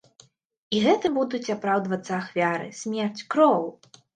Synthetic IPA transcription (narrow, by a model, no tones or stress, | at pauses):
iɣɛt̪ɨbud̪ut͡sʲapɾawd̪vɐt̪sːɐːxvʲaɾɨ̰sʲmʲɛrt͡sʲkɾɔwˠ